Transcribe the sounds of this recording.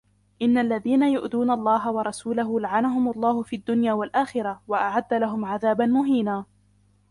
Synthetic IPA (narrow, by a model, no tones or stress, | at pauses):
ʔɪnːalːaðiːnajʊʔd̪uːnalˤːɑːɦawɑɾˤɑsuːlaɦʊlaʕanaɦʊmalˤːɑːhʊfiːʔad̪ːʊnjaːwalʔaːxɪɾawaʔaʕad̪ːalaɦʊmʕaðaːbanmʊɦiːnaː